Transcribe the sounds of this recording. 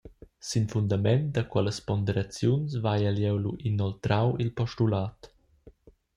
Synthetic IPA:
sinfund̪amɛnd̪əkwɛləspɔnd̪eɾat͡sjunsvajaljɛwluʔinɔlt̪ɾawilpɔʃtulaːt̪

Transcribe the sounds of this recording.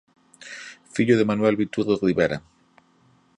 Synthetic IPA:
fiʎoðemanwelβit̪uɾðoɣɾiβeɾa̰

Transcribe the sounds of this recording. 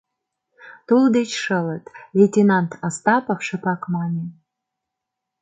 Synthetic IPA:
t̪uld̪et͡ɕʃələt̪lʲet̪ʲenɑnt̪ʰɑst̪ɑpofʃə̆pɑkmɑnʲe

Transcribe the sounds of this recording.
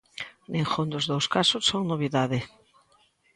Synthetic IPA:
nẽŋxond̪ozðowskasʊsoŋnoβ̞iðaðɪ

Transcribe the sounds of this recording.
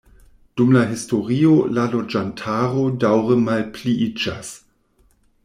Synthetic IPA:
d̥umlaɦisto̞ʁiolalo̞d͡ʒantʰaɾo̞dawʁəmalpliʔid͡ʒas

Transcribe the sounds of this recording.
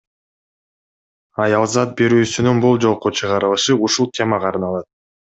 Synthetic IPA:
ɑjɑlˠzɑt̪̚be̞ɾyːsynynbulˠd͡ʒo̞lˠqot͡ʃʰɯʁɑɾɯlˠɯʃɯuʃulˠt̪ʰʲe̞mɑqʰɑɾnɑlˠɑt̪̚

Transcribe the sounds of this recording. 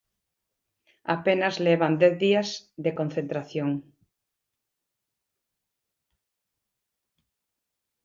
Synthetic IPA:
a̰penɐzleβand̪ɛθðiazðekon̟θẽnt̪ɾaθjoŋ

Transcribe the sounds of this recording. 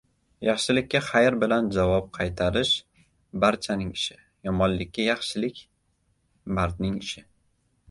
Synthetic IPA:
jɑχʃɪlɪkʲːaχajɾbɪland͡ʒavɒp̚qʰɑjt̪ʰaɾɪʃ | baɾt͡ʃʰanɪŋɪʃɪ | jɒmɒnlɪkʲːajɑχʃɪlɪkʲ | baɾt̪nɪŋɪʃɪ

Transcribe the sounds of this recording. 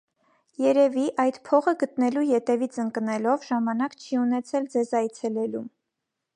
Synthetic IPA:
jɛɾɛviʔɑjd̪pʰɔʁəɡət̪nɛlujɛt̪ɛvit͡sʰəŋknɛlɔvʒɑmɑnɑkt͡ʃʰiunɛt͡sʰɛld͡zɛzɑjt͡sʰɛlɛlum

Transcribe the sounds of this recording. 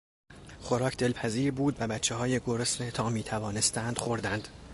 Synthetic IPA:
χo̞ɾɒːcʰd̪e̞lpʰæziːɾbuːd̪væbæt̪t͡ʃʰːeɦɒːjeɡo̞ɾosnet̪ʰɒːmiːt̪ʰævɒːne̞st̪ænd̪̥xoɾd̪ænd̪̥

